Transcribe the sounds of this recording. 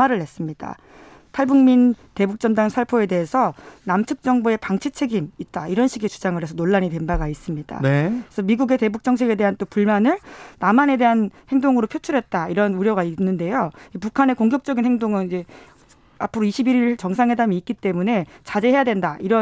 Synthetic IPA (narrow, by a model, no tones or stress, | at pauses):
aɾɯɭhes͈ɯmɲida̰ | tʰaɭbuŋminte̞buk̚t͡ɕ͈ʌndaŋsʰaɭpʰoe̞de̞ɦesʰʌnamt͡ɕʰɯk̚t͡ɕ͈ʌŋboe̞paŋt͡ɕʰit͡ɕʰe̞ɡimit̚t͈aiɾʌnɕʰiɡet͡ɕud͡ʑaŋɯɾe̞sʰʌnoɭːaɲitwe̞nbaɡais͈ɯmɲid̥a̰esʰʌmiɡuɡe̞te̞buk̚t͡ɕ͈ʌŋt͡ɕʰeɡe̞de̞ɦant͈opuɭmanɯɭnamane̞de̞ɦanhe̞ŋdoŋɯɾopʰjot͡ɕʰuɾɦet̚t͈aiɾʌnuɾjʌɡainːɯnde̞joipukʰane̞koŋɡjʌk̚t͡ɕ͈ʌɡinhe̞ŋdoŋɯnid͡ʑe̞ | apʰɯɾoiɕʰibiɾiɭt͡ɕʌŋsʰaŋwe̞damiːk̚k͈it͈e̞mune̞t͡ɕad͡ʑe̞ɦe̞jadwe̞ndaiɾʌ